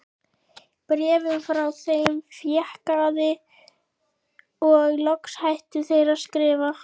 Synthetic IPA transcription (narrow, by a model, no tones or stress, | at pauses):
pɾɛːvʏmfɾawθejmfjɛhkaðɪ | ɔɣlɔkshajht̪ʏθeːjɾaskɾɪːva